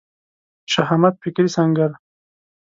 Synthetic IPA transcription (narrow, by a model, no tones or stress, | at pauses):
ʃaɦamat̪̚fikɾisaŋɡaɾ